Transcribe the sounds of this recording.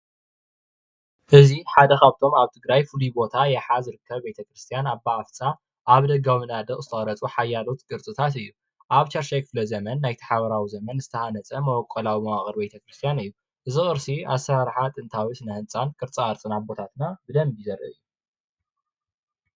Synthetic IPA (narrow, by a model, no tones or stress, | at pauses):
ʔɨziħad̪ɐkaβt̪ʰo̞maβt̪ʰɨɡɾajfɨlibo̞t̪ʰajɛħazɨɾɨkːɐβbe̞t̪ʰɐkɾɨst̪ʰijanabaːft͡sʼa | ʔaβd̪ɐɡamɨnad̪ɐχʼzɨt̪ʰɐχʼɐɾɐt͡sʼuħajːalo̞t̪ɡɨɾt͡sʼɨt̪ʰat̪ɨjːu | ʔaβt͡ʃʰɐɾʃajkʰɨ̥flɐzɐmɐnːajt̪ʰḁħaβɐɾawizɐmɐnzɨt̪ʰɐhanɐt͡sʼɐmɐwɔkʼːɐlawimɐwaχʼɨɾbe̞t̪ʰɐkɾɨst̪ʰijanɨjːu | ʔɨzixʼɨɾsia̰sɾaɾħat̪ʼɨnt̪ʰawit̪nɨhɨnt͡sʼankʰʼɨɾt͡sʼaɨɾt͡sʼɨnabo̞t̪ʰat̪ɨnabɨd̪ɐmbjizɐrʔɐ̰ʔɨ̰jːu